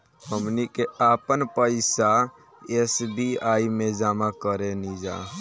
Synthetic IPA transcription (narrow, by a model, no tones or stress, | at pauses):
həmnikeapənpəɪsa | esbiaimẽd͡ʒamakəɾenid͡ʒa̰